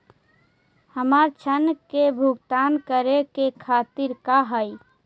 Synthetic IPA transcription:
həmaɾt͡ʃʰənkebʱuɡt̪ankəɾekekʰat̪iɾkaɦəj

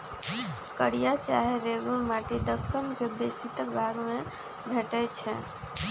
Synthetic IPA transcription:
kəɽijat͡ʃa̰ɦeɾeɡuɾmaʈid̪əkːənkebesit̪bʱaɡme | bʱeʈɛt͡ʃʰɛ

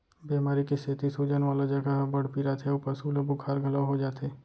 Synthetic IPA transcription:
beːmaːɾikeseːt̪isuːd͡ʒənʋaːlad͡ʒəɡaɦbɐɽ̤piɾat̪ʰeupəsuləbukʰaːɾɡʱɐlaʋɦod͡ʒaːt̪ʰeː

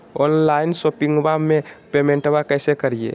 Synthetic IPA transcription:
onlainsopiŋɡbamepemeɳʈbakəjsekəɾijḛ

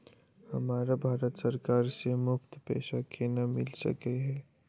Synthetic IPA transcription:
hɐmaːɾabʱaːɾət̪səɾkaːɾsemʊkt̪pḛːʃakʰenamɪlsɐ̰keɦɛː

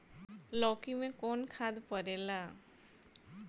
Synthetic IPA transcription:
lɔːkimẽkɔːnkʰaːd̪pəɾeːlaː

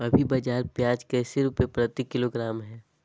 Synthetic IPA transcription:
ɐbʱibɐd͡ʒaːɾpjaːd͡ʒkɛːseɾuːpepɾət̪ɪkːɪloɡɾaːmɦɛː

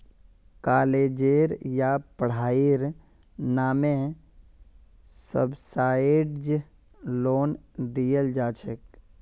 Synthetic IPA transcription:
kaːled͡ʒeɾjapəɽ̤aːiɾ | naːmẽ | sə̰bsaːɪɖd͡ʒ | loːnd̪iəld͡ʒaːt͡ʃʰək

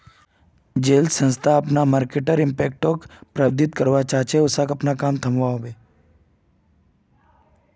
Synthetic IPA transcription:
d͡ʒeːlsə̃nst̪ʰaɐpnamaːɾkeʈəɾɪ̃mpeːk̚ʈokpɾəb̚d̪ʱɪt̪kəɾʋat͡ʃaːɦt͡ʃeʊsakɐpnakaːmt̪ʰəmʋaɦoːbeː

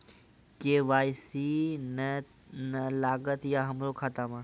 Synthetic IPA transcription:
keʋaːjsinə | nəlaːɡət̪jaɦɐmɾokʰaːt̪amə

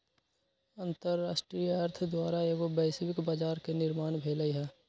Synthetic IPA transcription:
ə̃nt̪əɾːaːʃʈɾijəɦəɾt̪ʰd̪waːɾaeːɡobɛːsʋɪkbaːd͡ʒaːɾkenɪɾmaːnbʱeːləiɦɛː

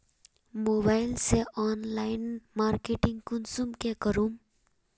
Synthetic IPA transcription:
moːbaːɪlseʔɔːnlaːɪnmaːɾkeʈɪ̃ŋɡkʊnsumkekəɾum

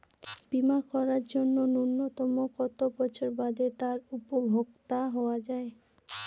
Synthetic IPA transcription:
b̥imakɔɾaɾd͡ʑonːonunːot̪ɔmokɔt̪opɔt͡ɕʰoɾbad̪et̪aɾupobʱoɡt̪aɦɔoad͡ʑae

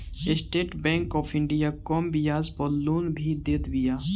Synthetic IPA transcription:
esʈeːʈbɛ̃ːŋkɔːpʰɪ̃ɳɖijaːkɔːmbijaːzpɔːlːuːnbʱid̪eːt̪bijaː

